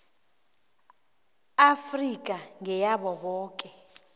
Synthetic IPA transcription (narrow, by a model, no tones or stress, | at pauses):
afrik̬ʼaŋɛjaɓɔɓɔːkʼɛ